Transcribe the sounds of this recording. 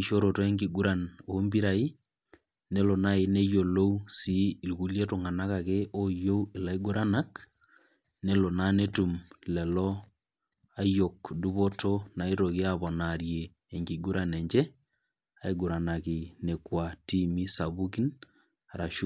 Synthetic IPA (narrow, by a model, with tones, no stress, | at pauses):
i˨ʃo˦ɾo˨tɔ˨e˦ŋɡi˨ɡu˦ɾa˨no˦mbi˦ɾa˨i˦ | ne˦lo˨na˦e˨ne˦jo˨lo˦u˦si˦˨lu˨ɣu˦lje˦to˨ŋa˨na˦ka˨ke˦o˦jo˦u˦e˨la˦i˦ɡo˦ɾʔa˦na˦k | ne˦lo˨nane˦tu˨mlɛ˨lɔ˦ | a˦jo˨kdu˦βo˦tʰo˦na˨e˦ɾo˨ɣe˦aβɔ˨naɾjeː˨ | ŋɡi˨ɡu˦ɾʔa˨nɛ˨ɲd͡ʒɛ˦ | a˨e˦ɡo˨ɾa˨na˨ki˨ne˨kwa˨ti˦mi˦sa˨βu˦ki˦n | a˨ɾa˨ʃu˦